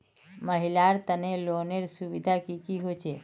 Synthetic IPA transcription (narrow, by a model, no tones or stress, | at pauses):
məɦilaɾt̪əneloneɾsubid̪ʱakikiɦot͡ʃʰɛ